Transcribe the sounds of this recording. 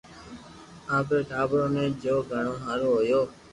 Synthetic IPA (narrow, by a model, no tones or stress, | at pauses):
ãːpeːʈʰaːbɾõːnẽːd͡ʒoːɡʱəɳoːɦaːɾoːɦojoː